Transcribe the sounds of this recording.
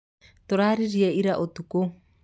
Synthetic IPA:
t̪oɾaɾiɾiaiɾaʔot̪uko

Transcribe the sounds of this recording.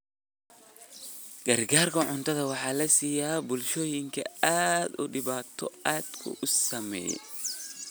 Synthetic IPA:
ɡ̥ɐrɡaːrkʰɐʕʊnt̪ʰɐðɐwɑħɑːlɐsiːjaːbʊlʃɔːjɪŋkʰɐ̰aːd̪ʊ̰ɖɪβaːt̪ʰɔ̰aːd̪̥kʰʊ̰ʔʊsɐmɛ̰ːjɛ̰

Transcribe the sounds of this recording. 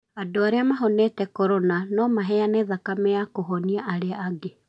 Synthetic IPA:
adoaɾeamaɦɔnɛtɛkɔɾɔnanɔmaɦɛjanɛːðakamɛjakoɦɔniaʔaɾeaːɡe

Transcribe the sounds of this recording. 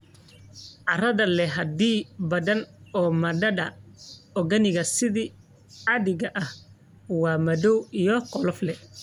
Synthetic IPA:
ʔɑrɐðɐlɛɦɐd̪iːbɐðɐnɔːmɐdɐɖɐɔɡɐnɪɣɐsɪðiː | ɑðɪɣɐʔɐh | wɑːmɐðɔwijɔqɔlɔflɛ

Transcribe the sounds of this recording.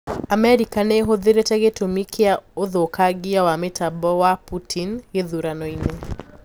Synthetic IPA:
amɛɾikaneɦoðeɾetɛɣetomikʰeaoðokaɡijawametabɔwaputʰinjeðuɾanɔine

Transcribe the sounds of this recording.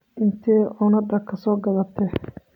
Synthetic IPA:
ʔɪnt̪ʰɛːʔʊnɐɖɐkʰɐsɔːɡɐðɐt̪ʰɛ

